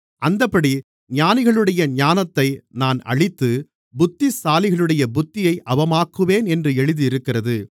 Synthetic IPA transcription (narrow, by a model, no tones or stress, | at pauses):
ʔɐnd̪ɐpːɐɽi | ɲaːnɪɣɐɭɯɽɐjɐɲaːnɐt̪ːɐɪnaːnɐ̰ɻɪt̪ːɯ | bʊt̪ːɪsaːlɪɣɐɭɯɽɐjɐbʊt̪ːɪjɐɪʔɐʋɐmaːkːɯʋeːnɛndrɯɛɻɯðɯɪɾɯkːɪrɐðɯ